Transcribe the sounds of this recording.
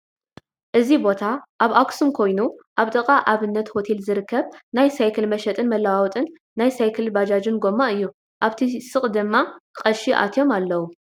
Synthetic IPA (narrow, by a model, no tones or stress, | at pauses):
ʔɨzibo̞t̪ʰaʔaβaksumkʰo̞jnuʔaβt̪ʼɐkʼaʔaβɨnːɐt̪ho̞t̪ʰelzɨɾɨkʰːɐβnajsajkʰɐlmɐʃɐt̪ʼɨnmɐlːawawt̪ʼɨnː | ajsajkʰɐlbad͡ʒad͡ʒɨnɡo̞mːaɨjːu | ʔaβt̪ʰisɨχʼd̪ɨmːaqʼɐʃiʔa̰t̪ʰjo̞malːɐwu